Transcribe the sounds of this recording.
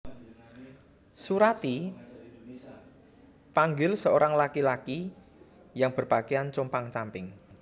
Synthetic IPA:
suɾat̪i | paŋɡɪlsəoɾaŋlakilaki | jaŋb̥ərb̥akeant͡ʃɔmpaŋt͡ʃampɪŋ

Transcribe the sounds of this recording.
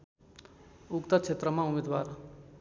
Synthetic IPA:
ukt̪akt͡ʃʰet̪ɾəmãumed̪ʋaːɾ

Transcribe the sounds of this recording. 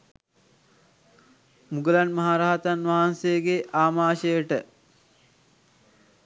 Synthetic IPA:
muɡəlanmɐɦaːɾaɦat̪anʋaɦansejəɡeʔaːmaːʃəjəʈə

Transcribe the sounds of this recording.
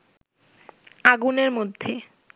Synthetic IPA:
aɡuneɾmod̪ʱːe

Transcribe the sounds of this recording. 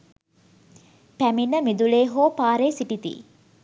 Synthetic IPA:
pæminːəmid̪uleːɦoːpaːɾeːsiʈit̪ḭː

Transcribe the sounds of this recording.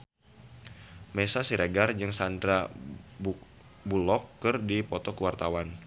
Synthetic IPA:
mesasiɾeɡard͡ʒɨŋsandɾab | bulɔkːɨrdipɔt̪ɔkəwart̪awan

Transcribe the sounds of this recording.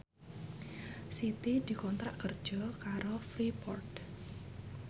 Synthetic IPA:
sit̪id̪̥i̤kɔnt̪ɾaʔkərd̥ʒ̥ɔ̤kaɾofɾipɔ̰rt

